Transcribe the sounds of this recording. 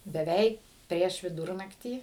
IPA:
bʲɛˈʋʲɛɪk ˈpʲrʲiɛʃ ʋʲɪˈduːrnɐktʲiː

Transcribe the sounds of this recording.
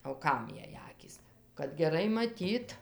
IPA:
oː ˈkɐm ˈjɛɪ ˈɑːkʲiːs kɐt ɡʲɛˈrɐɪ mɐˈtʲiːt

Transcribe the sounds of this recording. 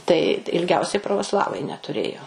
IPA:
tɐɪ ɪlʲˈɡʲɛʊsʲɛɪ prɐʋoːˈslˠɑːʋɐɪ nʲɛtʊˈrʲeːjoː

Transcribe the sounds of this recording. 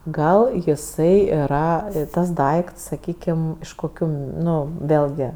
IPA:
ˈɡɐlˠ jɪˈsɐɪ iːˈrɐ ˈtɐs ˈdɐɪkts sɐˈkʲiːkʲɪm ɪʃ koːˈkʲuː ˈnʊ ˈʋʲeːlʲɡʲɪ

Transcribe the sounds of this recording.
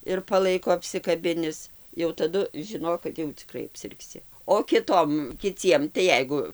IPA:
ɪr pɐˈlˠɐɪkoː ɐpʲsʲɪkɐˈbʲɪnʲɪs jɛʊ tɐˈdʊ ʒʲɪˈnoːk kɐt jɛʊ t͡sʲɪˈkrɐɪ ɐpʲsʲɪrkˈsʲɪ oː kʲɪˈtoːm kʲɪˈt͡sʲiɛm tɐɪ ˈjɛɪɡʊ

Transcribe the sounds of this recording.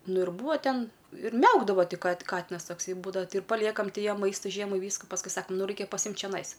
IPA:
ˈnʊ ɪr ˈbuːɐ ˈtʲɛn ɪr ˈmʲɛʊɡdɐʋoː ˈtʲɪ kɐ ˈkɑːtʲɪnɐs toːkˈsɐɪ ˈbuːdɐʋɐ tʲɪ ɪr pɐˈlʲiɛkɐm ˈtʲɪ ˈjɛm ˈmɐɪstɐ ˈʒʲiɛmɐɪ ˈʋʲiːskʊ pɐsˈkʊɪ ˈsɑːkɐm ˈnʊ ˈrɐɪkʲɛ pɐˈsʲɪmt t͡ʃʲɛˈnɐɪs

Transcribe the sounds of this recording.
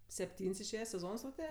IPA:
sʲɛpʲˈtʲiːnʲsʲ ɪʃʲˈeːjɛ sʲɛˈzoːns tɐʊ ˈtʲeː

